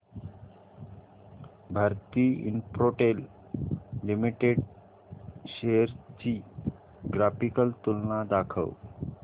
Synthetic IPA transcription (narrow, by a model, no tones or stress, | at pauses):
bʱaɾt̪iːḭnpɾoʈelː | imiʈeɖ | ɕeəɾt͡ɕi | ɡɾafikəlt̪ulnad̪akʰə̰w